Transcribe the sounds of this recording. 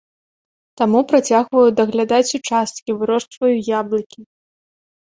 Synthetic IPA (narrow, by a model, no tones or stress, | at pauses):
t̪amupɾat͡sʲaɣvɐjud̪ɐɣlʲad̪at͡sʲut͡ʂast̪kʲivɨɾɔʂt̪vɐjujablˠɐkʲi